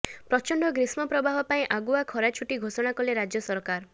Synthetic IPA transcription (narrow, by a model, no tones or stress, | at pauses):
pɾɔt͡ʃɔɳɖɔɡɾismɔpɾɔbaɦɔpaĩʔaɡuakʰɔɾat͡ʃʰuʈiɡʱosɔɽ̃akɔleɾad͡ʒjɔsɔɾkaɾ